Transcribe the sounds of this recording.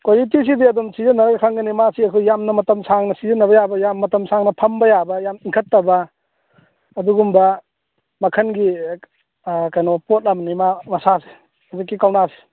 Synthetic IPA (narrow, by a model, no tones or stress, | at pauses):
kojitis̬idiɐdumsizɐnːɐɾɐɡɐkʰaŋɡɐnimasiɐkʰujamnɐmɐtɐmsaŋnɐsizɐnːɐβɐjabɐjamːɐtɐmsʰaŋnɐpʰɐmbɐjabɐjamiŋkʰɐtːɐbɐ | duɡumbɐ | mɐkʰɐnɡi | kajnopot̚lamnimamɐsase̥ | hɔzikːikawnasi̥